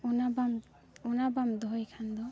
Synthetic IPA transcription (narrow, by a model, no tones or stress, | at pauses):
unabam | ɔnabamd̪ɔɦɔjkʰand̪ɔ